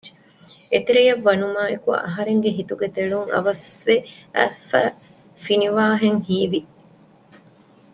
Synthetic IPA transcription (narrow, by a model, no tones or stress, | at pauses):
d͡ʒ | et̪eɾejɐʋːɐnumaːekuɐ̰ʔɐɦɐɾeŋɡeɦit̪uɡet̪eɭuŋɐ̰ʋɐsʋeæ̰ːfæː | finiʋaːɦeŋhiːʋi